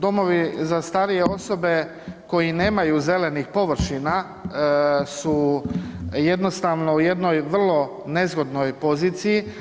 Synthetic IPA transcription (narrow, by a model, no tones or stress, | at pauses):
d̪o̞mo̞ʋizast̪aːɾije̞o̞so̞be̞ | ko̞jine̞ːmajuze̞le̞nixpo̞ʋr̩ʃina | su | je̞d̪no̞st̪aʋno̞uje̞d̪no̞jʋr̩lˠo̞ | ne̞zɡo̞d̪no̞jpo̞ziːt̪siji